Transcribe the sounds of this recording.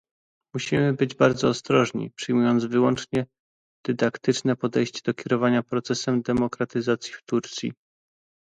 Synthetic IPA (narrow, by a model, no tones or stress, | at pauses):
muɕimɘbɘd͡ʑbaɾd̪zɔːst̪ɾɔʐɲḭpʂɘjmujɔnd̪zvɘwɔnt͡ʂɲɛ | d̪̥ɘd̪akt̪ɘt͡ʂnɛpɔd̪ɛjɕt͡ɕɛd̪ɔkʲɛɾɔvaɲapɾɔt̪sɛsɛmd̪ɛmɔkɾat̪ɘzat̪sʲjift̪uɾt̪sʲjḭ